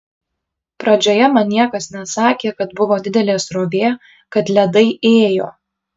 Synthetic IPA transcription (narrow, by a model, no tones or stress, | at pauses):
pɾɐd͡ʒʲoːjɛmɐnʲnːʲiɛkɐsnʲɛsɑːkʲeːkɐt̪bʊʋoːd̪ʲɪd̪ʲɛlʲeːsɾoːɡʲeː | kɐt̪lʲɛd̪ɐɪeːjo̰ː